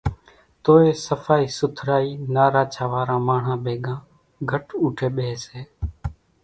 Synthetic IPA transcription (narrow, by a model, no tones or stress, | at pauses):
t̪oːeːsəfʰaːiːsʊt̪ʰɾaːiːnaːɾaːt͡ʃʰaːʋaːɾãːmaːɳ̤ãːɓeːɠãː | ɡʱəʈuːʈʰeːɓeːseː